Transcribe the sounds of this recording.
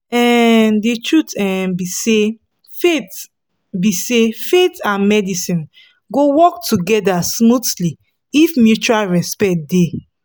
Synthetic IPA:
ɛ̃nditʰɹutɛbise | fet | bisefetãnmɛdisĩn | ɡowɔk̚tʰuɡɛdasmutli | ifmjut͡ʃualɹɛspɛt̚de

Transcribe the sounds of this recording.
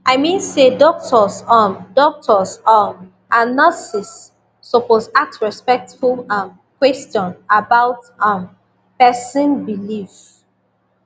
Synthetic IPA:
ʔaɪmĩnsedɔk̚tʰɔsɔndɔk̚tʰɔsɔm | ʔanasisː | oposak̚tɹɛspɛk̚tfulãm | kwɛstɔ̃nabaʊt | ãm | pɛsə̃nbilif

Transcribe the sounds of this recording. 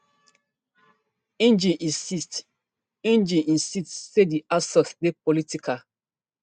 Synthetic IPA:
ẽnd͡ʒĩʔĩsist | ẽnd͡ʒĩʔĩnsitsediʔasɔθdepɔlitikʰa

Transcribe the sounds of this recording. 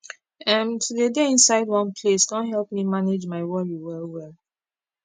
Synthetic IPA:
ãntʰudedeĩnsaɪdwɔ̃npʰlesdɔ̃nɦɛlˠpmimaned͡ʒmaɪwɔɹiwɛlwɛlˠ

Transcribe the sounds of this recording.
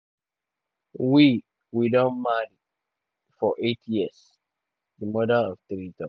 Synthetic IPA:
wi | widɔ̃nmaɾi | fɔʔetʰjis | dimɔdalɔftɾitɔ

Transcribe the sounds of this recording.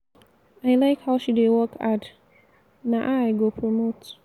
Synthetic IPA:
aɪlaɪkhaʊʃidewɔkʰat | naʔaɪɡopʰɹɔmot

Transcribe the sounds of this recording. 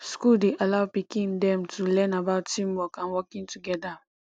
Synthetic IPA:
skuldeʔalawpikĩndɛ̃mtʰulɛ̃nabaʊtːĩmwɔkãnwɔkĩŋtuɡɛda

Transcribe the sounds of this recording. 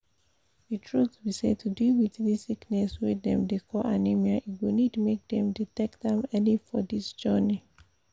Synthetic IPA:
ðitʰɹuθbised̚tʰudiwiððisiknɛswidɛ̃mdekʰɔanimiaʔiwinidmek̚d̪ɛ̃mditɛkdɛ̃mɛnifɔdisd͡ʒɜni

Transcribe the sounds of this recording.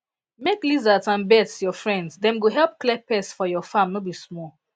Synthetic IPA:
meklizatãnbɛtsjɔfɹɛ̃ndsdɛ̃mɡoɦɛlp̚klɛpɛsfɔjɔfãmnobismɔl

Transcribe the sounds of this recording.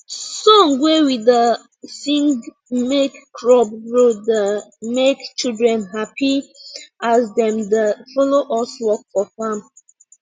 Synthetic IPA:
sɔ̃ŋwewidə | sĩŋ | mekːɹɔb̚ɹodəmekt͡ʃidɹɛ̃nɦapʰi | asdɛ̃mdəfɔloʔɔswɔk̚fɔfãm

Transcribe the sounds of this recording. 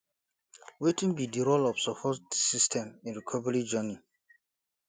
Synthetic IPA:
wetĩŋbidiɾolɔfsɔpʰɔtdsistʰɛ̃mĩnɹikʰɔvɛɹid͡ʒəni

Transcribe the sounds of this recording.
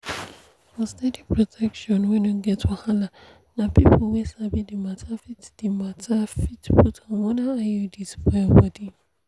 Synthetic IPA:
fɔstɛdipʰɹɔtʰɛkʃɔ̃nwɛ̃nuɡɛtʰɔhala | nãpʰipʰlwɛsabidimatʰafitd̥imatʰafitpʰutʰawɔnãajudispʰabɔdi

